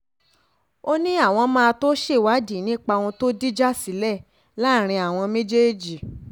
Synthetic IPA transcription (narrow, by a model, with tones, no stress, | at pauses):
o˦nĩ˦a˦˨w̃ɔ̃˧mãː˦˧to˦ʃe˦˨wa˨˦di˦˨˦nĩ˦k͡pa˧wɔ̃˧to˦di˦d͡ʒa˦si˨˦lɛ˦˨ | la˦˨ɾ̃ĩ˧a˨w̃ɔ̃˧mẽ˦d͡ʒe˦d͡ʒi˨